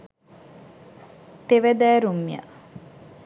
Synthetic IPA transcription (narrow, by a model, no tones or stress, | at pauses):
t̪eʋæd̪æːɾumːija̰